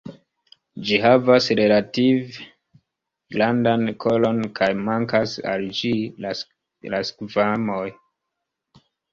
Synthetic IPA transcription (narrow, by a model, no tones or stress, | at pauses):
d͡ʒiɦavasɾe̞lativ | landankʰo̞lo̞nkʰajmaŋkasa̰ld͡ʒila | laskvamoj